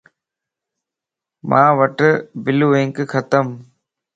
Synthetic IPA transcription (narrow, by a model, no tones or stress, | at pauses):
mʔãːʋɐʈbɪlueŋkkʰɐt̪əm